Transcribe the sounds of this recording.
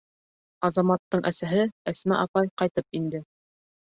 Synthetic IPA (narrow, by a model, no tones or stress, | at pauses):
ɑzɑmɑt̪ːɤɴʔæsæɦɘæsmæʔɑpɑjqɑjt̪ɤp̚ind̪ɘ